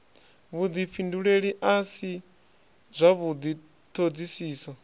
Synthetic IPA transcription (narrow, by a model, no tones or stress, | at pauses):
βud̪ipʰinduɺeɺiʔasi | zʷaβud̪i | t̪ʰod͡zisiːsɔ